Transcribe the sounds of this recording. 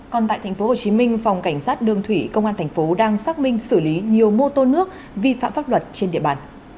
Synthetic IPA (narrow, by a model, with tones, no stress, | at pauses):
kɔ˨˩nt̪a̰ː˧˨t̪ʰɛ˨˩jŋ̟fo˨˦ho˨˩t͡ɕi˨˦mï˧ŋ̟fa˨˩wŋ͡mka˧˩jŋ̟saː˦˥t̚ɗɨ˨˩əŋt̪ʰwi˧˩kə˧wŋ͡mʔaː˧nt̪ʰjŋ̟fo˨˦ɗaː˧ŋsaː˦˥k̚mï˧ŋ̟sɨ˧˩li˨˦ɲi˨˩əwmo˧t̪o˧nɨ˦˥ək̚ | vi˧fa̰ː˧˨mfaː˦˥p̚lwə˨˩t̚t͡ɕe˧nɗḭ˧˨əɓaː˨˩n